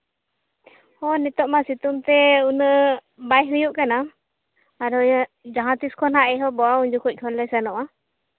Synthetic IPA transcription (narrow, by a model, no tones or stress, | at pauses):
hɔnɛt̪ɔʔmasit̪umt̪ɛunə | bajɦɯjuʔkanaː | ɾɔ | d͡ʒaɦãt̪iskʰɔnɦaʔɛɦɔbɔauɲd͡ʒukɔc̚kʰɔnləjsanɔʔa